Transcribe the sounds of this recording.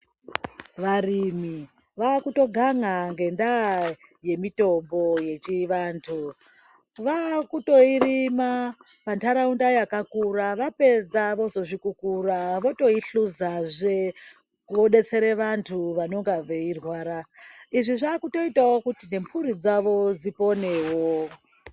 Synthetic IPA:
ʋarimi | ʋaːkuto̞ɡʱaŋaŋɡe̞ndaje̞mito̞mbo̞je̞t͡ʃiʋaːntʰu | ʋakuto̞irima | pantaɾaundajakakuɾaʋape̞d͡zaʋo̞zo̞ʐikukuraʋo̞to̞iɬuzaʐe | ʋoɗe̞t͡se̞ɾeʋantʰuʋano̞ŋɡaʋeirwaːɾaiʐiʐaːkuto̞itawokutine̞mpʰuɾid͡zaʋo̞d͡zipo̞ne̞wo

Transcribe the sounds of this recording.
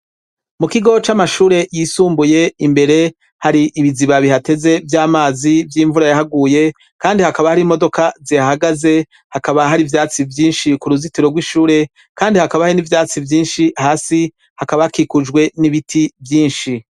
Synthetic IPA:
mukiɡo̞t͡ʃamaʃuːɾe̞jisuːmbuje̞imbe̞ɾe̞ | haɾiʔiβiziβaβihate̞ze̞vjaːmaːzivjiːɱvuɾajaɦaɡuːje̞ | kaːndihakaβahaɾimo̞do̞kaziahaɡaze̞ | hakaβaɦaɾivjaːt͡sivjiːnʃikuɾuzitiɾo̞ɡwiʃuːɾe̞ | kaːndihakaβahainivjaːt͡sivjiːnʃihaːsi | hakaβahakikud͡ʒɡwe̞niβitʰivjiːnʃi

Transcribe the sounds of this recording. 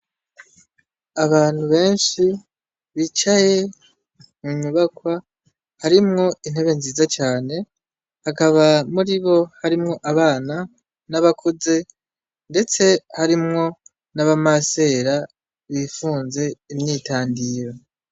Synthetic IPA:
aβaːn̥huβe̞ːnʃi | βit͡ʃaje̞ | muɲuβakwa | haɾimŋo̞in̥e̞βe̞nziːzat͡ʃaːne̞ | hakaβamuɾiβo̞haɾimŋo̞ʔaβaːna | naβakʰuze̞ | nde̞t͡se̞haɾimŋo̞ | naβamase̞ːɾa | βifuːnze̞imɲiːtaːndiːɾo

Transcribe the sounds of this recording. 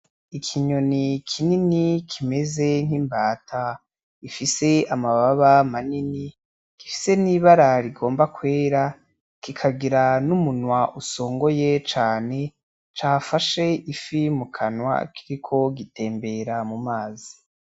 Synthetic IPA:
ikʰiɲo̞nikʰininikʰime̞ze̞ŋ̥hiːmbaːtʰa | ifise̞amaβaβamanini | kifi̥se̞niβaɾaɾiɡo̞ːmbakwe̞ːɾa | kikʰaɡiɾanumunwaʔuso̞ːŋɡo̞jet͡ʃaːne̞ | t͡ʃaːfaʃe̞ifimukʰanwa̰kʰiɾikʰo̞ɡite̞ːmbe̞ɾamumaːzi̥

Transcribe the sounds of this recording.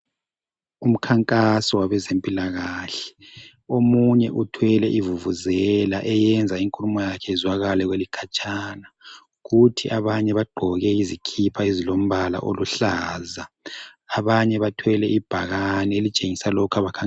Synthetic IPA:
um̩kʰaŋkʼasɔwaβɛzempʼilaɣaːɬɛ̥ | omuɲɛʔutʰwɛlɛʔivuvuzɛlaʔɛjɛnd͡zʱaiŋkʼulumɔjakʰɛizwaɣalɛɣwelikʰat͡ʃʼaːna | ɣutʰiʔaβaɲɛβaɡ͡ǃʱɔɣɛizikʰipʰaizilom̩βala̰ʔo̰luɬaːzaː | βaɲɛβatʰwɛlɛʔib̥ʱaɣanielit͡ʃʼeŋisalɔkʰaβakʰaŋ

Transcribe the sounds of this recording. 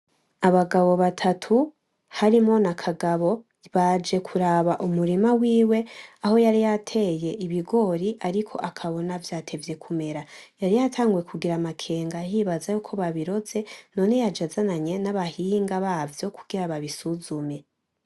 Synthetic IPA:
aβaɡaβo̞βatʰatʰu | haɾimo̞nakʰaɡaβo̞ | βad͡ʒe̞kʰuɾaβaʔumuɾimawiːwe̞aho̞jaɾijatʰe̞je̞ʔiβiɡo̞ɾiʔaɾikʰo̞̰ʔakʰaβo̞navjaːtʰe̞vje̞kʰume̞ɾajaɾijatʰaːŋɡuje̞kʰuɡiɾamakʰe̞ːŋɡajiːβazajukʰo̞βaβiɾo̞ze̞no̞ːne̞jad͡ʒazanaɲe̞naβahiŋɡaβaːvjo̞kʰuɡ̥iɾaβaβisuzume̞

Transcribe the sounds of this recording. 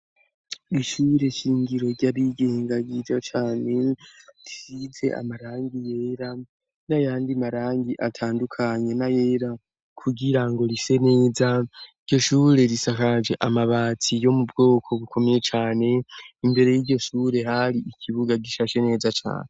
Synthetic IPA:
iʃuːɾe̞ʃiːŋɡiɾo̞ɾɟaβiɡe̞ːŋɡaɡid͡ʒat͡ʃaːne̞disize̞̰a̰maɾaːŋɡije̞ːɾa | najaːndiamaɾaːŋɡiʔatʰaːndukʰaɲe̞najeːɾa | kʰuɡiɾaŋɡo̞ɾise̞ne̞ːzaiɾɟo̞ʃuːɾe̞ɾisakad͡ʒe̞ʔamaβaːt͡sijo̞mubɡo̞ːkʰo̞βukʰo̞me̞je̞t͡ʃaːne̞imbe̞ɾe̞jiɟo̞ʃuːɾe̞ɦaɾiʔikʰiβuɡaɡiʃaʃe̞ne̞ːzat͡ʃa̰ːne

